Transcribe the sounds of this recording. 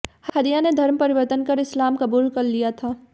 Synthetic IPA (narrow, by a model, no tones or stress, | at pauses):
hhɐd̪ijaned̪ʱɐɾmpɐɾɪʋəɾt̪ənkɐɾɪslaːmkɐbuːlkɐɾlijat̪ʰaː